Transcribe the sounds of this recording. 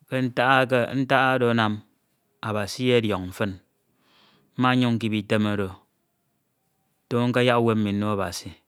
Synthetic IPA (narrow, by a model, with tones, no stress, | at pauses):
ke˦n̩˦ta˦a˦kḛ˦n̩˦ta˦ʔa˦do˨˦na˨m | a˨ba˨si˦je˦djɔ˨ŋm̩˨fɨ˦n | m̩˦ma˦ɲu˦ŋ̩˦ki˨bi˨te˦ma˨ɾo˨ | to˦ŋ̩˦ka˦ja˦kwe˦m̩˦mi˨n̩˦no˦a˨ba̰˨si˨